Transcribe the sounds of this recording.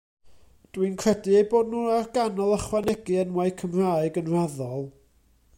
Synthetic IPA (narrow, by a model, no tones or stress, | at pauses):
d̥winkʰrɛdɨejboːdnuarɡanɔlˠəχwanɛɡɨənwajkʰəmr̥aɨɡənraðɔlˠ